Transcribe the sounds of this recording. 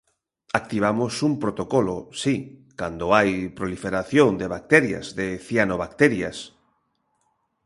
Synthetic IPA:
ak̚t̪iβ̞amosumpɾot̪okɔlosikand̪oajpɾolifeɾaθjoŋd̪eβak̚t̪ɛɾja̰zðeθjanoβakt̪ɛɾjas

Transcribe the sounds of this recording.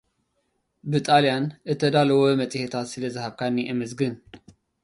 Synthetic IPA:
bɨt̪ʼalijanʔɨt̪ʰːɐd̪alɐwomɐt͡sʼhet̪ʰat̪sɨlɐzɨhaβkʰanːiʔɨmɨzɡɨn

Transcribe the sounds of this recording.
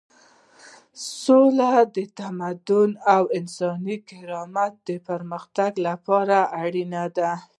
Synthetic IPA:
solad̪ət̪amad̪ʊnawɪnsɑnikɪɾɑmat̪̚d̪əpəɾməxt̪aɡlapɑɾaʔaɽinad̪a

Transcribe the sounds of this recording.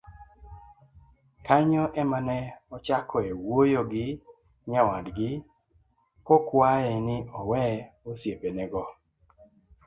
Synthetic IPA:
kaɲɔʔɛmanɛɔt͡ʃakʰɔewojoɡɪ | ɲawadɡɪ | kɔkwaɛnɪɔwɛosjepenɛɡɔ

